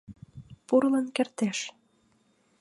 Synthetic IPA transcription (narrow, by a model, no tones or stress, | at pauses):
purlənkert̪eʃ